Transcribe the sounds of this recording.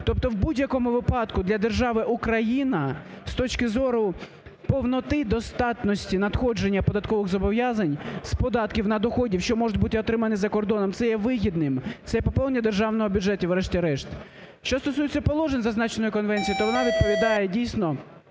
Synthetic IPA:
t̪ɔp̚t̪ɔwbudʲjɐkɔmʊʋɪpɑd̪kʊd̪lʲɐd̪erʒɑʋɪʔukɾɐjinɐst̪ɔt͡ʃkɪzɔɾʊ | pɔwnɔt̪ɪd̪ɔst̪ɑt̪nɔsʲtʲinɐd̪xɔd͡ʒenʲːɐpɔd̪ɐt̪kɔʋɪɣzɔbɔʋjazɐnʲspɔd̪ɑt̪kʲiwnɐd̪ɔxɔdʲiwʃt͡ʃɔmɔʒʊt̚ʲbut̪ɪɔt̪ɾɪmɐnɪzɐkɔrd̪ɔnɔmt̪sɛjɛʋɪɦʲid̪nɪmt̪ɛjɛpɔpɔlˠnʲːɐd̪erʒɑwnɔɦɔbʲʊd͡ʒɛtʲiwɾɛʃtʲɛɾɛʃt̪ | ʃt͡ʃɔst̪ɔsujet͡sʲːɐpɔlˠɔʒenʲzɐznɑt͡ʃenɔjʊkɔnʋɛnʲt͡sʲijit̪ɔʋɔnɑʋʲid̪̚pɔʋʲid̪ɑjɛdʲijsʲnɔ

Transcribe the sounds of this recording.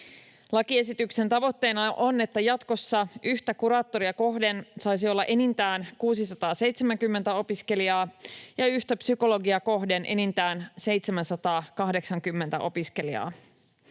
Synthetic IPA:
lɑkie̞s̬it̪ykse̞nt̪ɑʋo̞t̪ːe̞ːnɑʔone̞t̪ːæjɑt̪ko̞sːɑʔyçt̪ækuɾɑːt̪ːo̞ɾiɑko̞ɦde̞nsɑjs̬io̞lːɑʔe̞nint̪æːnkuːsisɑt̪ɑːse̞jt̪semæŋkymːent̪æo̞piske̞liɑːjɑyçt̪æpsyko̞lo̞ɡiɑko̞ɦde̞nʔe̞̰nint̪æːnse̞jt̪semænsɑt̪ɑːkɑhde̞ksɑŋkymːent̪æ̰ʔo̞piske̞liɑ̰ː

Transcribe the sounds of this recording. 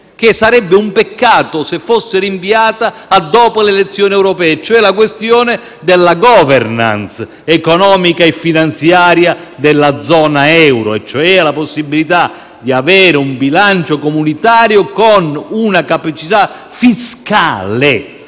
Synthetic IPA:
kesːaɾɛbːeumpekːaːt̪osefːosːɪɾiɱviaːt̪aːd̪ːɔːpolelet̪sːjɔːniɛwɾopɛːɛt͡ʃːoɛlak̬west̪jɔːne | d̪elːaɡɔːvɛrna̰ns | ɛkonɔːmikaefːinant̪sjaːɾjad̪elːad̪zɔːnaɛwɾo̰ɛt͡ʃːoɛːalaposːibilit̪a | d̪iavɛːɾɪumbilant͡ʃokomunit̪aːɾjokonunakapat͡ʃit̪a | fiska̰ːle

